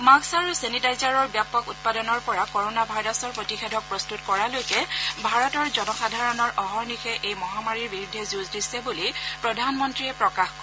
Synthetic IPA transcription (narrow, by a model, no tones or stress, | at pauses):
maksaɹusenidajzaɹɔɹbjapɔkut̚padɔnɔɹpɔɹakɔɹonabʱajɹɔsɔɹpɹotixɛdʱɔk̚pɹɔstutkɔɹalojkɛbʱaɹɔtɔɹzɔnɔxadʱaɹɔnɔɹʔɔɦɔɹnixɛʔejmɔɦamaɹiɹbiɹudʱːɛzuzdisɛbulipɹɔdʱanmɔntɹiɛpɹɔkaxkɔ